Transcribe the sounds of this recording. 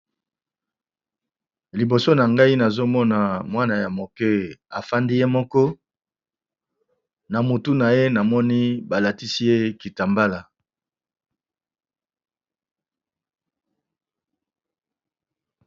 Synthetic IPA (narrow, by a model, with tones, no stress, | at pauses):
li˨bo˨so˦na˨ŋɡa˦i˦na˨zo˦mɔ˦na˨mwa˦na˨ja˨mo˨kɛ˦a˨fa˦ndi˦je˦mɔ˦kɔ˦ | na˨mo˨tu˦na˨je˦na˨mɔ˦ni˦ba˨la˨ti˦si˦je˦ki˨ta˨mba˦la˨